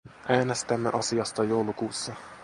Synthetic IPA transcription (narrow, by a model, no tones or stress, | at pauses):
ʔæːnest̪æmːḛʔɑsiɑst̪ɑjowlukuːsːɑ